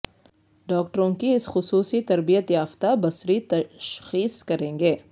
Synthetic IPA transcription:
ɖɔːk̚ʈəɾõkiɪsxʊsuːsit̪ɐɾbijət̪jaːft̪abɐsɾit̪ɐʃxiːskɐɾẽːŋɡeː

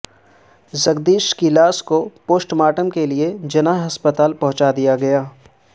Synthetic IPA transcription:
zɐɡd̪iːʃkilaːskopoːsʈmaːʈəmkelied͡ʒɐnaːɦɦɐspət̪aːlpɐɦʊ̃t͡ʃad̪ijaɡɐjaː

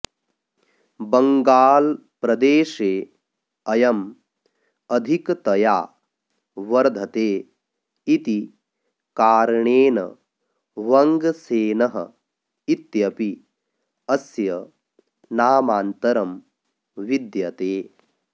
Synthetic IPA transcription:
bɐŋɡaːl | pɾɐd̪eːʃeː | ɐjɐm | ɐd̪ʱikt̪ɐjaː | ʋɐɾd̪ʱɐt̪eː | it̪i | kaːɾɐɳeːnɐ̰ | ʋɐŋɡseːnɐɦɐ̰ | it̪jɐpi | ɐsjɐ | naːmaːnt̪ɐɾɐm | ʋid̪jɐt̪eː

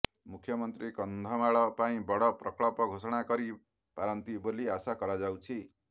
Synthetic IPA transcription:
mukʰjʌmʌnt̪ɾikʌnd̪ʱʌmaɭʌpaĩbʌɽʌprʌkɭɔpʌɡʱosɔɽ̃akʌɾi | paɾʌnt̪iboliasakʌɾad͡zawt͡sʰi

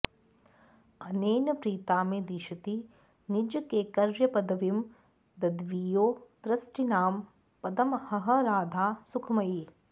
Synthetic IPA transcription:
ɐneːnɐpɾiːt̪aːmed̪iʃɐt̪i | nid͡ʒɐkeːkɐɾʋjɐpɐd̪ɐʋim | d̪ɐd̪ʋiːjoːt̪ɾɐsʈinaːm | pɐd̪ɐmhɐɦɐ̆ɾaːd̪ʱaːsukʰmɐji

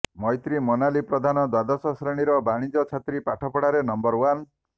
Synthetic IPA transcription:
mɔjt̪ɾimonalipɾɔd̪ʱanɔd̪wad̪ɔsɔsɾeɽ̃iɾɔbaɽ̃id͡ʒɔt͡ʃʰat̪ɾipaʈʰɔpɔɽaɾenɔmbɔɾwan

